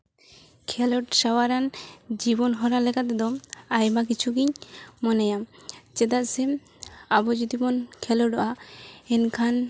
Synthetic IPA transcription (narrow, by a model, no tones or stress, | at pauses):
kʰɛloʈʃawaɾand͡ʑibonɦɔɾalekat̪ed̪ɔmajbak̬it͡ɕʰukiɲmɔnejamt͡ɕet̪asem | abod͡ʑut̪imonkʰɛloɖɔʔaenkʰan